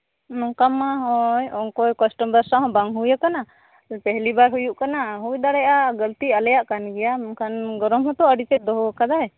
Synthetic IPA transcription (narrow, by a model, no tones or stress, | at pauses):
nɔŋkamːaɦɔjɔŋkɔjkɔsʈɔmbəɾsãɦɔ̃baŋɦujakana | pɛɦlibaɾɦujuʔkanaɦujd̪aɽɛjʔaɡəlt̪ialɛjaʔkanɡɛjakanɡɔɾɔmɦɔ̃t̪ɔəɖit͡ʃ̪ɛc̪̚ˀd̪ɔɦɔkad̪aɛ